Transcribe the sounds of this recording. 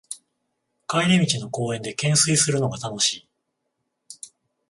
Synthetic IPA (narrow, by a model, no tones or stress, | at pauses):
kaiɾʲimʲit͡ɕino̞ko̞ːẽ̞nd̪e̞kẽ̞ɰ̃sɨisɨɾɯ̟no̞ɡat̪ano̞ɕiː